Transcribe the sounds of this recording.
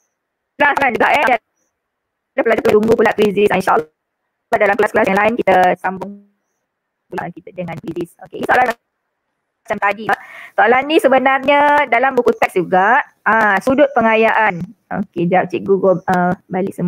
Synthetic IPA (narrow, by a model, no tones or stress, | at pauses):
lasland͡ʒuɡaʔɛa | dapəlad͡ʒapəlaluŋɡupulaʔpɾizisainʃaʔəl | adalamklasklasjaŋlaɪnkit̪əsambʊŋ | pula̰ʔkit̪ədəŋãnpɾizisokeʔiisoalanm | at͡ʃamt̪adiasoʔalanːĩsəbənarɲədalambukut̪ɛk̚sd͡ʒuɡaʔ | ãsudʊt̪̚pəŋajaʔano̰ked͡ʒap̚t͡ʃiʔɡuɡoləbalɪʔsəm